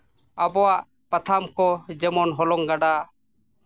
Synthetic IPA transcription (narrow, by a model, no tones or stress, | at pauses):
abɔwaʔ | pət̪ʰamkɔd͡ʒɛmɔnɦɔlɔŋɡaɖa